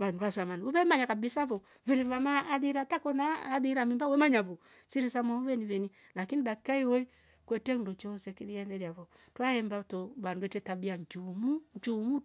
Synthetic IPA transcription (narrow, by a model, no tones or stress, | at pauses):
βanduasamaniɔβɛmaɲakabisavɔ | viɾivamaːðiɾatakɔnaːðiɾamimbawɛmaɲavɔ | siɾisamaɔβɛnivɛni | lakiniɗakaihɔi | kwɛtɛndɔt͡ʃɔsɛkiɾiɛndɛɾjavɔ | twaɛmbatɔβanduwɛtɛtabiaɲd͡ʒumuɲt͡ʃumu